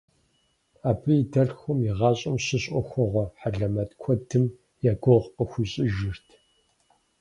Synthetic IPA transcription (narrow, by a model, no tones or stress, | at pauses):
aːbɨjidɐɮxʷʊmjiʁɑːɕʼɪmɕɪɕʼɔxʷɔʁʷɔħaɮɐmɐtkʷʰɔdʰɨm | jaːɡʷoʁqəxʷiɕʼɪʒɪrtʰ